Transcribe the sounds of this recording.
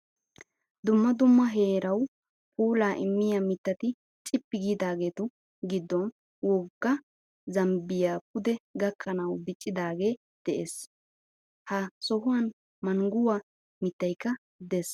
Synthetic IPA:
d̪ʊmːɐd̪ʊmːɐɦe̞ːɾɐw | pʰʼuːlaːʔɪmːɪjamɪt̪ːɐt̪ɪ | t͡ʃʼɪpːɪɡiːd̪aːɡeːt̪ʊ | ɡɪd̪ːɔn | wɔɡːɐ | zɐmbɪjaːpʊd̪ɛɡɐkːɐnɐwd̪ɪt͡ʃʼːɪd̪aːɡe̞ː | d̪̥ɛʔeːs | hɐsɔɦʊwɐn | mɐŋɡʊwa | mɪt̪ːɐjkːɐ | d̪ɛs

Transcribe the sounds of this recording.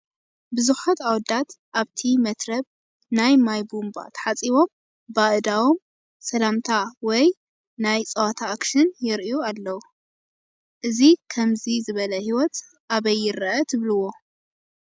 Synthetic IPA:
bɨzuħat̪awd̪at̪ʔaβt̪ʰimɐt̪ɾɐβ | najmajbumba̰t̪ʰħat͡sʼiβo̞m | baʔɨd̪awo̞m | sɐlamt̪ʰawɔj | najt͡sʼɐwat̪ʰaːkʃɨnjɪɾʔualːɐwu | ʔɨzikʰɐmzizɨβɐlɐhiwɔt̪ | ʔaβɐjːɪɾɐʔɐt̪ʰɨβlɨwo̞

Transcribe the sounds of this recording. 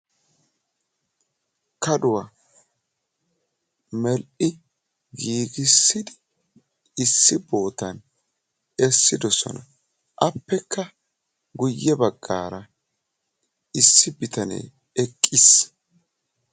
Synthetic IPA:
kɐd̪ʊwɐ | mɛlʔɪ | ɡiːɡɪsːɪd̪ɪ | ɪsːɪbo̞ːt̪ɐn | ɛsːɪd̪ɔsɔ̰nɐ | ʔɐpːɛkʰːɐ | ɡʊjːɛbɐɡːaːɾɐ | ɪsːɪbɪt̪ɐnḛː | ɛkʼːɪs

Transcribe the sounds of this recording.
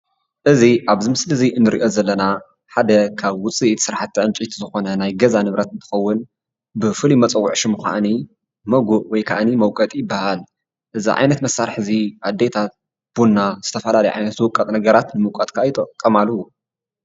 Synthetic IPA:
ʔɨziʔaβzimɨslɨziʔɨnːɨɾḭʔo̞zɐlːɐna | ħad̪ɐkʰaβwʊt͡sʼisɨɾħat̪ːiʕɨnt͡ʃʼit̪ʰizɨxo̞nɐnajɡɐzanɨβɾɐt̪ɨnt̪ʰɨ̥xɐwːʊn | bɨfɨlimɐt͡sʼɐwːʊʕʃɨmuxa̰ʔni | mɐɡuʔwɔjkʰa̰ʔnimɐwkʼɐt̪ʼjɪbːahal | ʔɨzḭʕa̰jnɐt̪mɐsːaɾħɨziʔad̪ːet̪ʰat̪̚ | b̥unːaz̥ɨt̪ʰɐfɐlalɐjʕa̰jnɐt̪zɨwʊkʼɐt̪ʼnɐɡɐɾat̪nɨmɐwkʼɐt̪kʰajt̪ʼɐkʼːɐmaluwu

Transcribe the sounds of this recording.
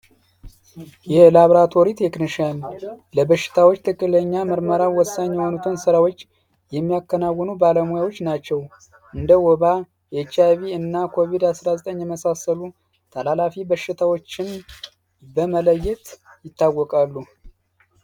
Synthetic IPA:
jɛlaβɾat̪ʰoɾit̪ʰe̞kniʃanləbəʃːɪ̥t̪ʰawot͡ʃːt̪ʰɨkʼːɨləɲːamɨɾməɾawɔsːaɲːɛhonut̪ʰonsəɾawo̞t͡ʃː | jɛmːijakːənawːɔnubaləmojawo̞t͡ʃːnat͡ʃːɛw | ʔɨnd̪əwɔβa | jet͡ʃːaβiɨnːakʰo̞βid̪asɾazət̪ʼəɲːjɛməsasəlu | t̪ʰalalafibəʃːɪt̪ʰawo̞t͡ʃːɪn | bəmələjːɛt̪jɪt̪ːawːɔkʼalːu

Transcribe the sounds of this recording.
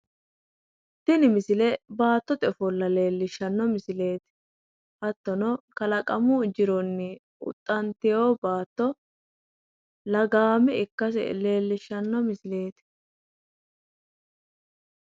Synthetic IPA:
t̪ːɪnɪmɪsɪlɛbaːt̪ːɔt̪ɛfɔlːɐle̞ːlːɪʃːɐnːɔmɪsɪle̞ːt̪ɪ̥ | hɐt̪ːɔnɔkɐlɐkʼɐmud͡ʒɪɾɔnːɪ | ʊ̰t̪ʼːɐnt̪ɪjoːbaːt̪ːɔ | lɐɡaːmɛɪkːɐs̬ɛ̰le̞ːlːɪʃːɐnːɔmɪsɪle̞ːt̪ɪ̥

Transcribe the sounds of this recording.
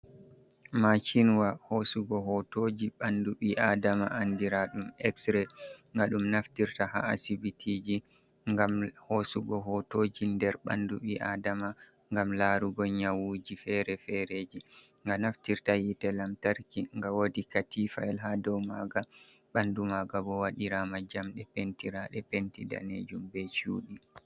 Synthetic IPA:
mat͡ʃinwahosuɡɔɦɔtod͡ʒiɓanduɓiʔadamaʔandiɾaɗumɛksɾɛŋɡaɗumnaftiɾtaha̰asibitʰid͡ʒi | ŋɡamhosuɡɔɦɔtod͡ʒindɛɾɓa̰nduɓiʔadama | ŋɡamlaɾuɡɔɲawuːd͡ʒifɛɾɛfɛɾeːd͡ʒi | ŋɡanaftiɾtajitɛlamtaɾkiŋɡawodikatifa̰jlɦadɔwmaɡa | ɓandumaɡabɔwaɗiɾamad͡ʒamɗɛpentiɾaɗɛpentida̰nḛd͡ʒumbɛt͡ʃṵːɗi

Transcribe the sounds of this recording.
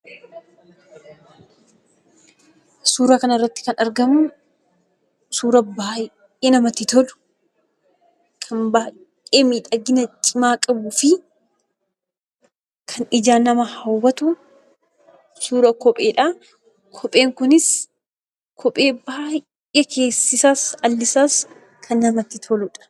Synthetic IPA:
suːɾaːkɐnɐɪrːɐt̪ːɪ̥kɐnɐɾɡɐmʊ | suːɾɐbaː | eːnɐmɐt̪ɪt̪ɔlʊ̥ | kʰɐmbaː | eːmiːᶑɐɡɪnɐt͡ʃʼɪmaːkʼɐbʊfɪ | kʰɐnɪd͡ʒaːnɐmɐhɐwːɐt̪ʊ | suːɾɐkɔpʼe̞ːᶑa | kʰɔpʼe̞ːŋkʊnɪs | kʰɔpʼe̞ːbaː | jʔɛkʰe̞ːsːɪsaːsɐlːɪsaːs | kʰɐnːɐmɐt̪ːɪt̪ʰɔlʊᶑɐ̥

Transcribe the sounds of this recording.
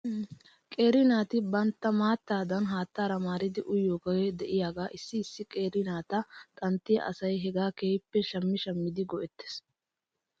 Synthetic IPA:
kʼeːɾɪnaːt̪ɪbɐnt̪ːɐmaːt̪ːaːd̪ɐnɦaːt̪ːaːɾɐmaːɾɪd̪ɪʔʊjːɔkɔjɛd̪ɛʔɪjaːɡaːʔɪsːɪɪsːɪkʼe̞ːɾɪnaːt̪ɐt̪ʼɐnt̪ːɪjɐ̰ʔɐ̰sɐjɦɛɡaːkeːpːɛʃɐmːɪʃɐmːɪd̪ɪɡɔʔɛt̪ːe̥s

